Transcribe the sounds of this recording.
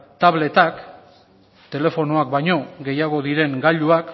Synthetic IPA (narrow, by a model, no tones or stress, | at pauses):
t̪aβle̞t̪ak | t̪e̞le̞fo̞noak̚bajɲo̞ɣe̞jaɣ̞o̞ðiɾe̞ŋɡaʎuak